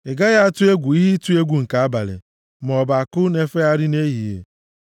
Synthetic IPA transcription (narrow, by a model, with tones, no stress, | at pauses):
ɪ˨ɡa˦ɣa˦a˦tʊ˦e˦ɡʷu˨i˦ɦi˦tu˦e˦ɡʷu˨ŋ̩˨ka˨a˦ba˨lɪ̰˨ | m˨ɔ˨ba˨a˨kʊ˦ne˦fe˦a˦ɾɪ˦ne˦ɦi˨jḛ˨